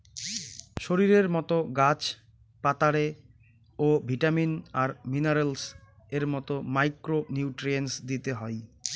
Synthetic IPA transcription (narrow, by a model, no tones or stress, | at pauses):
ʃoɾiɾeɾmɔt̪oɡat͡ɕ | pat̪aɽe | obʱiʈaminaɾmineɾels | eɾmɔt̪omajkɾoniuʈɾiensd̪it̪eɦɔj